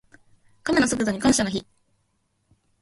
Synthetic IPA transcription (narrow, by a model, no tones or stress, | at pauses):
kamenoso̞k̬ɯ̟d̪o̞ɲ̟ikãɰ̃ɕanoçi